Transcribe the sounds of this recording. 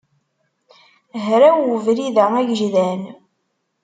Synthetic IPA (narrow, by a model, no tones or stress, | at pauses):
ɦɾæwəvɾiðææʝʒðæn